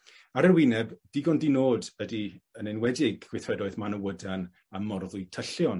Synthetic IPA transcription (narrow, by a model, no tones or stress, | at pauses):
aɾərwɪnɛbd̥ɪɡɔndinoːdədiənɛnwɛdɪɡwɪθrɛdɔɨðmanəwədan | amɔrðʊjtʰəɬjɔn